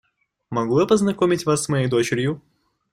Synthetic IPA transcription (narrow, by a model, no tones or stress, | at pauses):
mɐɡlujapəznɐkomʲɪtʲvasːmɐjejd̪o̞t͡ɕɪɾʲjʊ